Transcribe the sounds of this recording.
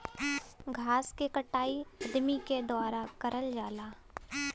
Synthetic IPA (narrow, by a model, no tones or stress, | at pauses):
ɡʱaːskekəʈaːiɐd̪miked̪ʊaːɾakəɾəld͡ʒaːlaː